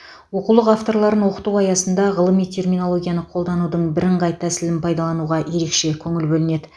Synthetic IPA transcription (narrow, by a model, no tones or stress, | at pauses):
wo̞qulˠəqaft̪o̞ɾlˠɑɾənwo̞qə̥t̪uwɑjɑsənd̪ɑʁəlˠəmijt̪ʲʰe̞rmijno̞lˠo̞ɡʲijɑnəqʰo̞lˠd̪ɑnud̪əɴbɪɾɪɴʁɑjt̪ʰæsɪlɪnpʰɑjd̪ɑlˠɑnuʁɑje̞ɾe̞kʃe̞kʲʰɵŋɪlbɵlɪne̞d̪ɪ